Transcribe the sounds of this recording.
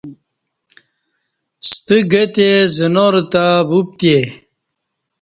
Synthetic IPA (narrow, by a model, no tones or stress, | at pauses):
st̪əɡet̪ezənoɾt̪abup̚t̪e